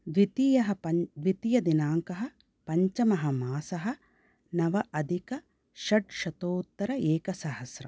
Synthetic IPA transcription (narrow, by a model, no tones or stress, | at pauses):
ʋit̪ijɐɦɐpɐʋit̪ijɐd̪inaːŋkɐɦɐ̆ | pɐɲt͡ʃɐmɐɦɐmaːsɐɦɐ̆ | nɐʋɐʔɐd̪ʱikɐ | ʃɐɖʃɐt̪oːt̪ːɐɾɐeːkɐsɐɦɐsɾɐ̰m